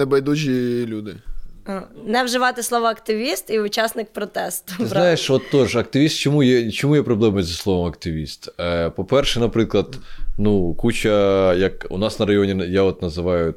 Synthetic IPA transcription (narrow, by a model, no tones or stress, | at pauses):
nɛbɐjd̪ut͡ʃʲilʲud̪ɪ | nɛwʒɪʋɑt̪ɪslˠɔʋɐɐkt̪ɪʋʲist̪iʊt͡ʃɑsnɪk̚pɾɔt̪ɛst̪ʊznɑjeʃɔt̪ːɔʒɐk̚t̪ɪʋʲist̪t͡ʃɔmujɛt͡ʃɔmujɛpɾɔblˠɛmɐjzɐslˠɔʋɔmɐkt̪ɪʋʲist̪pɔpɛrʃɛnɐpɾɪklˠɐd̪nukut͡ʃɐjɐkṵnɑsnɐɾɐjɔnʲijaɔt̪nɐzɪʋɑjʊ